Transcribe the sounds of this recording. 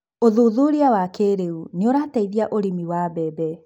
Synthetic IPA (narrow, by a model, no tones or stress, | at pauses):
oðuðuɾiawakeɾeuneoɾaːtaiðiaʔoɾimiwabɛbɛ